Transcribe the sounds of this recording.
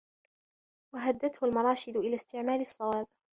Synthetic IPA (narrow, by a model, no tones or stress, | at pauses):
waɦad̪ːat̪hʊlmɑɾˤɑːʃɪd̪ʊʔɪlaːst̪ɪʕmaːlɨsˤːɑwaːb